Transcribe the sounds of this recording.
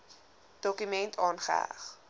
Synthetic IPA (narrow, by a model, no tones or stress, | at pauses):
d̥ɔkymɛntʰɑːnχə̰æ̰χ